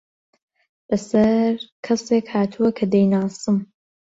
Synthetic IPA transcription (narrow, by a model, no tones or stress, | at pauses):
bɐsɐɾkʰɐseːkhaːt̪ʰuwɐkʰɐd̪ejnaːst̪ɨm